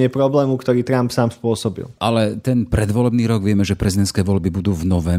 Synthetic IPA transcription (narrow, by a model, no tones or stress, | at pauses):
ɪɛpɾɔblɛːmukt̪ɔɾiːt̪ɾampsaːmspʊɔsɔbḭlʔalɛt̪ɛnpɾɛd̪ʋɔlɛbniːɾɔɡʋɪɛmɛʒɛpɾɛzid̪ɛnskɛːʋɔlbibud̪uːvnɔʋɛ